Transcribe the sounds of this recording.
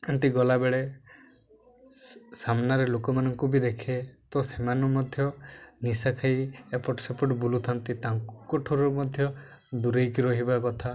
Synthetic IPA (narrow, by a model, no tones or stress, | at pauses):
ant̪iɡɔlabeɭe | samnaɾelokɔmanɔŋkubid̪ekʰet̪ɔsemanɔmɔd̪ʱjɔnisakʰajepɔʈsepɔʈɔbulut̪ʰant̪it̪aŋkɔʈʰuɾɔmɔd̪ʱjɔ | d̪uɾejkiɾɔɦibakɔt̪ʰa